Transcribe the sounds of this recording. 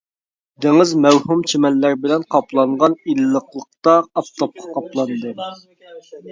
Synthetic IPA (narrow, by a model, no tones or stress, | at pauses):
d̪ɪŋɨzmɛwhumt͡ʃʰemɛlːæɾbɪlɛnqʰɑplˠɑɴʁɑnilːəqlˠəq̚t̪ɑːpt̪ʰɑp̚qʰɑ̥qʰɑplˠɑnd̪ɨ